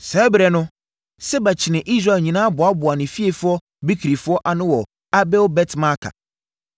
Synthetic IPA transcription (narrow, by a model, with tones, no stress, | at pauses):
sɛ˨˦bɾɛ˨nʊ̃˦ | sɛ˦ba˨t͡ɕʰɪ˨nɪ̃˨ʔi˦s̬ɾa˦˨ɲĩ˨nãː˦bʊ˨a˦bʊ˨a˨nɪ̃˨fi˦e˨fʊ˦ɔ˦ | bi˦kʰi˨ɾi˨fʊ˦ɔ˦ʔa˨nɪ̃˦wɔ˨ | a˦bɛ˦wbɛ˦tʰma˦kʰa̰˨